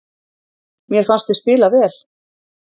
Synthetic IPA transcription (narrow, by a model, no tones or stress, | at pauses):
mjɛɾfanst̪ɪspɪːlavɛːl̥